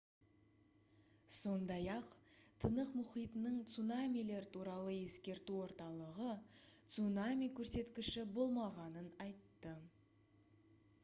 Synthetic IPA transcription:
so̞nd̪ɑjɑqt̪ʰənəqmʊχijt̪ənəɴt̪sunamʲijle̞ɾt̪ʰuɾɑlˠəje̞skʲe̞ɾt̪uwo̞ɾt̪ɑlˠəʁət̪sunamʲijkʲʰɵɾse̞t̪kʲɪʃɪbo̞lˠmɑʁɑnənɑjt̪ːə

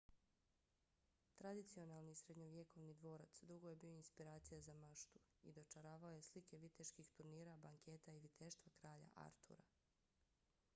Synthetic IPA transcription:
t̪ɾad̪it̪sio̞nalˠnisɾe̞d̪ɲoʋje̞ko̞ʋnid̪ʋo̞ːɾat̪sd̪uɡo̞je̞biːoinspiɾaːt̪sijazamaʃt̪u̥ḭd̪o̞t͡ʃaɾaːʋaoje̞slike̞ʋit̪eʃkixt̪uɾniːɾabaŋkʰe̞ːt̪aiʋit̪ʰe̞ʃt̪ʋakɾaːʎa̰ʔa̰ɾt̪ʰṵɾa

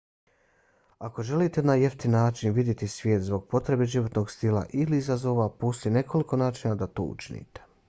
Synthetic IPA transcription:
ako̞ʒe̞liːt̪e̞naje̞ft̪inːaːt͡ʃinʋid̪jet̪isʋjeːt̪zbo̞ɡ̚po̞t̪ɾe̞beʒiʋo̞t̪no̞ɡst̪ilˠa̰ʔiliizazo̞ːʋaposine̞kʰo̞liko̞naːt͡ʃinad̪at̪o̰ṵt͡ʃinḭt̪e̥

